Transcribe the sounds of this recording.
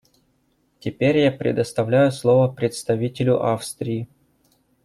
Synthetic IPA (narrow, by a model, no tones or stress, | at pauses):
tʲɪpʲeɾʲjapɾʲɪ̰d̪əst̪ɐvlʲæjʊslˠo̞vəpɾʲɪt̪st̪ɐvʲitʲɪlʲʊʔafst̪ɾʲɪː